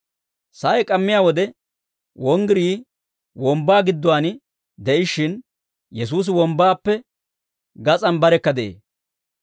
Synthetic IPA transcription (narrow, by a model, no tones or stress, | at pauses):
sɐjɛkʼɐmːɪjaːwɔd̪ɛ | wɔŋɡɪɾiː | wɔmbaːɡɪd̪ːɔwaːnɪ | d̪ɛʔɪʃɪn | jɛs̬uːs̬ɪwɔmbaːpːɛ | ɡɐt͡sʼɐnbɐɾɛkːɐd̪eḛː